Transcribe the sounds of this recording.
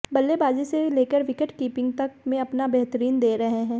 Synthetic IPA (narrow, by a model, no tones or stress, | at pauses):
bɐlːebaːd͡ʒiseleːkəɾʋɪkəʈkiːpɪ̃ŋɡ̚t̪ɐk̚mẽɐpnabɛɦt̪əɾiːnd̪eːɾɐɦeɦɛ̃ː